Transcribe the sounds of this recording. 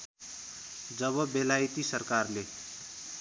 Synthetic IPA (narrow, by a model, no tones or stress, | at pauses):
d͡zʌβʌbelajt̪isʌrkarle